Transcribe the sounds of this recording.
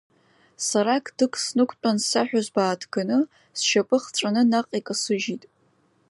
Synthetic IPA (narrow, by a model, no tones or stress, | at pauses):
saɾakʰʼd̥ɨkʰʼsnɨkʷʰʼt͡pʷʼansaħᶣazbaːtʰɡ̥ɨnɨ | sʃapʼɨχt͡ʃʷʼanɨnaqʼikʼasɨʒitʼ